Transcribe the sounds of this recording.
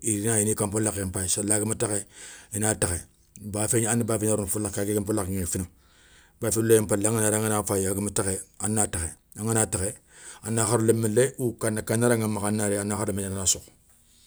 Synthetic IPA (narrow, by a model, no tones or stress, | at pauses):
iɾinajinikampolakempaisalaɡimatakeinataxe | bafeɲanibaːfeɲaɾunfulːakaɡekampulakŋefina | bafinulejimpalŋanaɾaŋanafajaɡimatakeanːaːtaxe | aŋanaːtake | anːaxaɾulemileukanakanaɾaŋamakanaɾeanaxaɾlmeɲanaasok